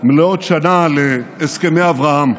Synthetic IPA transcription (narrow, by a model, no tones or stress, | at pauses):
meleot̪ʃanaleːskemejavʁaham